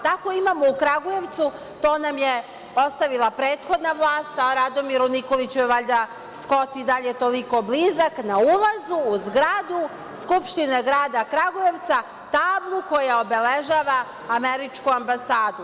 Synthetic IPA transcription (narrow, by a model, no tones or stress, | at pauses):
t̪ako̞imaːmo̞ukɾaɡuje̞ʋt̪su | t̪o̞ːnamje | o̞st̪aʋilˠapɾe̞ːt̪xo̞d̪naʋlˠaːst̪aɾad̪o̞miɾuniko̞lit͡ɕuʋaʎd̪a | sko̞t̪id̪aʎet̪o̞liko̞blizaknaulˠazuːzɡɾad̪u | skupʃt̪ineɡɾaːd̪akɾaɡuje̞ʋt̪sa | t̪aːblˠuko̞jao̞be̞leʒaːʋaː | meɾit͡ʃkuambasaːd̪u